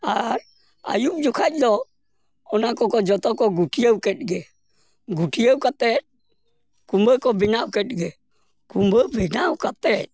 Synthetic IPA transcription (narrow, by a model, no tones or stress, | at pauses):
aɾ | a̰jup̚d͡ʒukʰalɔ | ɔnakɔkɔd͡ʒɔt̪ɔkɔɡuʈijəwkɛt̚ɡɛ | ɡuʈʰiəwkat̪ɛt̚ | kumbəkɔbinawkɛt̚ɡɛ | kumbəbinawkat̪ɛt̚